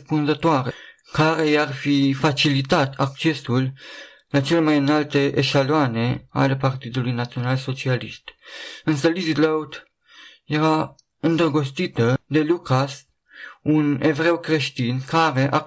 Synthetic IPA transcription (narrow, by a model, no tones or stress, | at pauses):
spunzət̪oaɾe | kaɾe̞jarfifat͡ʃilit̪at̪ʰak̚t͡ʃe̞sul | lat͡ʃelemajɨnalt̪eʔeʃaloane̞a̰le̞part̪id̪ulujnat̪sio̞nalso̞t͡ʃialiʃt̪ɨnsəlizid̪ləwt̪ | jeɾa | ɨnd̪ɾəɡost̪it̪əd̪e̞lukas | unevɾe̞wkɾe̞ʃt̪inkaɾe̞ʔa